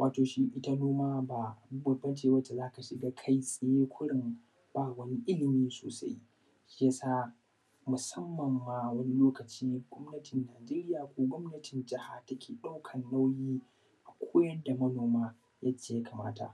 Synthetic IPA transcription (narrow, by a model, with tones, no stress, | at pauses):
wʔaː˨toː˨ʃi˦ʔɪ˦ta˦noː˦maː˦ba˨ʔa˨bu˦bɐ˨bɐ˦t͡ʃeː˨wɐ˦t͡ʃːa˨zaː˦ka˨ʃɪ˨ɡaː˦kʰa˦jsʼɐ˨jeː˦kʷʊ˦ɽɪ˨m | b̥aː˦˨wɐ˦ni˦ʔɪ˦lɪ˨miː˦so̰ː˨sa̰˦j | ʃja˦saː˦ | mʊ˨sɐ˦mːɐ˨mːaː˦wɐ˦ni˦loː˦kɐ˨t͡ʃiː˦ɡʷɔ˦mnɐ˦tʰɪ˨nːaː˨d͡ʒeː˦ɾɪ˦jaː˨kʷoː˦ɡʷɔ˦mnɐ˦tʰɪ˨nd͡ʒɪ˦ha˨tɐ˦kʲʰeː˨ɗa˦wkʰɐ˨nːa˦wjiː˦ | ʔa˨kʷʰoː˦jɐ˦da˨mɐ˦noː˨maː˦ | ja˦t͡ʃːeː˦˨ja˦ka˨ma̰ː˦ta̰˨ʔ